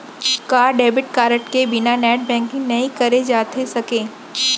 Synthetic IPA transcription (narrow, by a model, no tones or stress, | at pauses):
kaːɾɖeːbɪʈ̚kaːɾəʈkebɪnanɛːʈ̚bɛ̃ːŋkɪ̃ŋnɐĩkɐɾed͡ʒaːt̪ʰesɐkẽː